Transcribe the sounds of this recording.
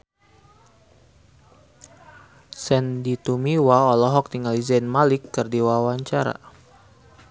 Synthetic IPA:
sɛndit̪umiwaɔlɔɦɔk̚t̪iŋalizanmalikːərdiwawaɲt͡ʃaɾa̰

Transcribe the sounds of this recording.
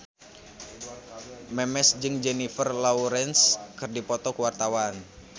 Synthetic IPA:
mɛmɛsd͡ʒɨŋd͡ʒɛnifərlauɾɛnskɨrdipɔt̪ɔkuwart̪awan

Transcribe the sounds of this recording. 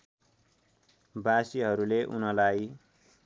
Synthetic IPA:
basiɦʌɾuleʔṵnʌlaj

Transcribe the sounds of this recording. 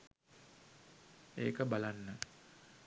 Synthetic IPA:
ḛːkəbalanːə

